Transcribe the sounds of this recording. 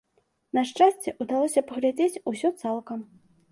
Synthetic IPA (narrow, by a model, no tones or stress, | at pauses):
nɐʂt͡ʂasʲt͡sʲɛʔud̪alˠɔsʲɐpɐɣlʲad͡zʲet͡sʲusʲɔt̪salˠkɐm